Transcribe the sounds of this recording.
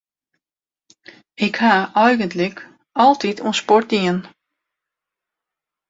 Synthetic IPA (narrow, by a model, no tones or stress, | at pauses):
ɪkhaʔœjɣəntlək | ɔlˠtitʰuənspɔrt̚diən